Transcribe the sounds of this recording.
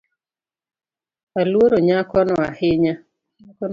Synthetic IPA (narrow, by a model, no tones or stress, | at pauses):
alwoɾoɲakɔnɔahɪɲa